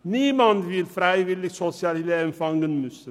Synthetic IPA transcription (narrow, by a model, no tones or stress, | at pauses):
niːmɑnd̪ʋɪlfɾæɪʋɪlɪɡsɔsɪɑlɪleɛmfɑŋɡənmʉsə